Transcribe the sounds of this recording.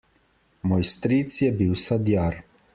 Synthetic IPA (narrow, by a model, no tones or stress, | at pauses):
mɔjst̪ɾit̪sjɛbiwsad̪jaːɾ